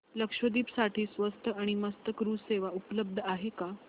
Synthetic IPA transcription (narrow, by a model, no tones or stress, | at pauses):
ləkʂʋəd̪iːpsaʈʰiːsʋəst̪ʰəaɽ̃iməst̪əkɾuːseʋaupələb̚d̪ʱəaɦeka